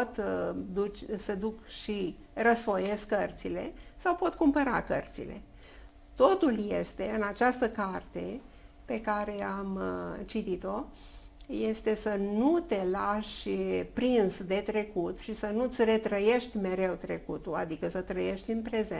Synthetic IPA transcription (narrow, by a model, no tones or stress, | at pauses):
ot̪d̪ut͡ʃʲsəd̪ukʃi | rəsfo̞je̞skkərt̪sile̞̰sawpo̞t̪kumpəɾa̰kə̰rt̪sḭle̞̰ | t̪o̞t̪ulje̞st̪e̞ɨnat͡ʃast̪əkart̪e̞pe̞kaɾe̞amt͡ʃit̪it̪o̞ | je̞st̪e̞sənut̪e̞laʃʲpɾinsd̪e̞t̪ɾe̞kut̪ʃisənut̪sʲre̞t̪ɾəje̞ʃt̪ʲme̞ɾe̞wt̪ɾe̞kut̪ua̰d̪ikəsət̪ɾəje̞ʃt̪ʲɨnpɾe̞ze